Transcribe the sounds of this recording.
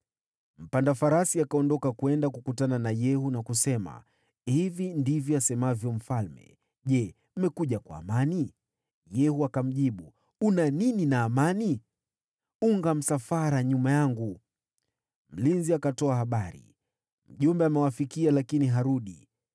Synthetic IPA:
m̩pandafaɾasiakaɔndɔkakuɛndakukutananajɛhunakusɛma̰ | hivindivjɔasɛmavjɔm̩falmɛ̰ | ʄɛ | m̩mɛkuʄakwa̰ːmani | jɛhuakam̩ʄiɓu | unanininaːmani | uŋɡam̩safaɾaɲumajaŋɡu | m̩linziakatɔahaɓaɾḭ | m̩ʄumbɛamɛwafikialakiniɦaɾuɗḭ

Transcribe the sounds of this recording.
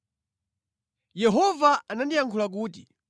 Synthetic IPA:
jɛɦɔvaanandijaŋkʰulak̬uːti

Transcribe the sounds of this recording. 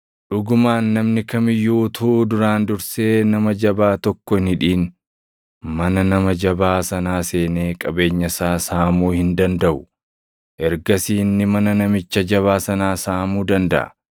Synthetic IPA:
ᶑʊɡʊmaːnːɐmnɪkɐmɪjːuːt̪ʰuːd̪ʊɾaːnd̪ʊɾse̞ːnɐmɐd͡ʒɐbaːt̪ɔkːɔɪnhɪᶑiːn | mɐnɐnɐmɐd͡ʒɐbaːsɐnaːse̞ːneːkʼɐbe̞ːɲːɐsaːsaːmuːhɪnd̪ɐnd̪ɐʔʊ̥ | ʔɛɾɡɐsiːnːɪmɐnɐnɐmɪt͡ʃːɐd͡ʒɐβaːsɐnaːsaːmuːd̪ɐnd̪ɐ̰ʔɐ̰

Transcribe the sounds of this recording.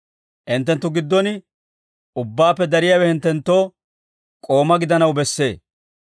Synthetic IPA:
ʔɪnt̪ːɛnt̪ːʊɡɪd̪ːɔnɪ | ʊbːaːpːɛd̪ɐɾɪjaːwɛhɪnt̪ːɛnt̪ːo̞ː | kʼo̞ːmɐɡɪd̪ɐnɐwbɛsːe̞̰ː

